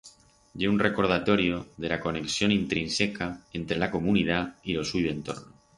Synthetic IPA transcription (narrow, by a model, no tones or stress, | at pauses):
ɟ͡ʝeunre̞ko̞ɾð̞at̪o̞ɾjo̞ðe̞lako̞ne̞ksjo̞nint̪ɾinsekae̞nt̪ɾe̞lako̞munið̞ailo̞swiβe̞nt̪o̞̰ɾno